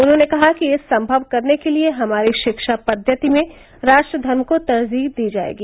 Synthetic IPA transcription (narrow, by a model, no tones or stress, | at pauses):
ʊnɦõːnekɐɦakijesɐ̃mbʱəʋkɐɾnekelieɦɐmaːɾiʃɪkʃapɐd̪ʱjət̪imẽ | ɾaːʃʈɾəd̪ʱɐɾmkot̪ɐɾziːɦd̪iːd͡ʒa̰ːḛːɡiː